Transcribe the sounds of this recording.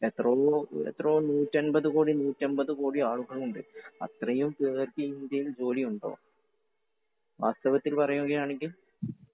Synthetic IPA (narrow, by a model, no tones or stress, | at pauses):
et̪ːrɐḛt̪ːrɐːnuːtːɐnbɐðukoːɽinuːtːɐnbɐðukoːɽiaːɭuɣɐɭuɳɖɨɐ̰t̪rɐjumkeːrkiind̪jɐjild͡ʑo̞ːliuɳɖo̞̰ː | ʋa̰ːst̪ɐʋɐt̪ːilpɐrɐjueŋɡijaːɳeŋɡʲil